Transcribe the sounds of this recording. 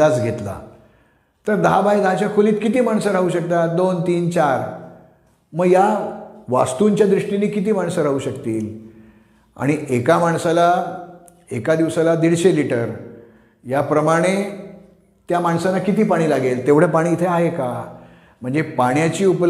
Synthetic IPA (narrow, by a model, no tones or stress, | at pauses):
at͡sɡʱet̪la̰ | t̪əɾd̪əɦabajd̪əɦat͡ɕjakʰoliːt̪kit̪̬iːmaɳsəɾaɦuːɕəkt̪at̪d̪ont̪iːnt͡ɕaɾ | məɡjaʋa̰st̪uɲt͡ɕjad̪ɾiʂʈiniːkit̪̬iːmaɳsəɾaɦuːɕəkt̪iːl | a̰ɽ̃iʔekamaɳsala | ekad̪iʋsalad̪iɽɕeliʈəɾ | japɾəmaɽ̃e | t̪jamaɳsanakit̪iːpaɽ̃iːlaɡelt̪eʋɽ̤epaɽ̃iːt̪ʰeaɦeka | m̤əɳd͡zepaɽ̃jat͡ɕiːupl